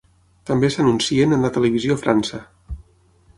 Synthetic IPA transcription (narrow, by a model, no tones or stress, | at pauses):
t̪əmbesənunsiənənlət̪ələβ̞iziofɾansə